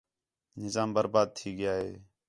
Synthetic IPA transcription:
nɪzaːmbəɾbaːd̪̚t̪ʰiːɡɪjaːɦeː

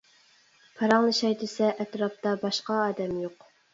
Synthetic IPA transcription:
pʰɑɾɑŋlˠɨʃɑjd̪ɪsɛʔɛt̪ɾɑp̚t̪ɑbɑʃqɑːd̪ɛmjoq

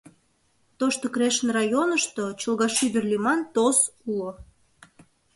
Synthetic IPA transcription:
t̪oʃt̪okɾeʃənrɑjonəʃt̪ot͡ɕəlɣɑʃyβərlimɑnt̪osulo

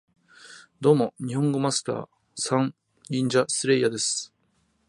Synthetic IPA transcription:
d̪o̞ːmo̞ɲ̟ihõ̞ŋɡo̞masɨ̥t̪a̰ː | sãŋ | ĩɲd͡ʑasɨɾe̞jad̪e̞sɨ̥

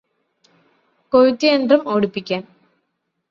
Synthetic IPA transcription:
koɻut̪ːiendrɐmoːɽupːikʲːaːn

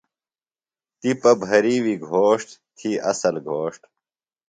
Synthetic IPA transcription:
t̪ipɐbʱɐɾiwiɡʱoːʂʈt̪ʰiʔɐ̰sɐlɡʱoːʂʈ

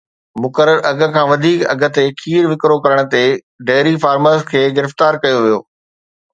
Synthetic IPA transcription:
mʊkəɾəɾʔɐɡə̆kʰãːʋɐd̪ʱiːkɐ̰ɡʱə̆t̪ekʰiːɾʋɪkɾokɐɾəɽ̃̆t̪e | ɖeːɾifaːɾməɾskʰeːɡɪɾɪft̪aːɾkɐjoʋijo̰ː

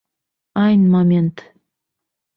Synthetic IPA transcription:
ɑjnmɑmʲent̪

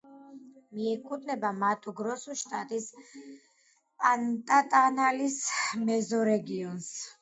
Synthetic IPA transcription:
miɛkʼud̪nɛbamat̪ʼuɡɾɔsuʃt̪ʼat̪ʼis | pʼant̪ʼat̪ʼanalismɛzɔɾɛɡiɔns

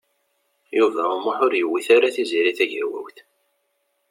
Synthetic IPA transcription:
juvæʊmaħʊɾjəwːiθaɾaθiziɾiθæʝəɾwæ̰wθ

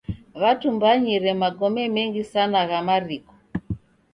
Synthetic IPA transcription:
βatumbaɲiɾɛmaɡɔmɛmɛŋɡisanaɣamaɾikɔ̥

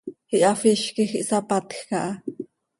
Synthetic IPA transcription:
iʔɑfiʃkixiʔsapat̪xkɑʔɑ

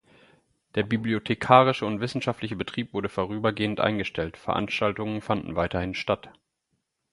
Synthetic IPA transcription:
d̥eːɐbibliotʰekʰaːʁ̞ɪʃəʊntv̥ɪsn̩ʃaftlɪçəbətʁ̥iːpv̥ʊɐɾəfoʁ̞yːbɐɡeːəntʔa̰ɪnɡəʃtʰɛltfɛɐʔa̰nʃtaltʊŋənfandn̩vaɪtɐhɪnʃtat

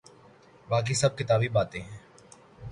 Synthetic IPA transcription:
baːk̬isɐb̚kɪt̪aːbibaːt̪ẽɦɛ̃ː

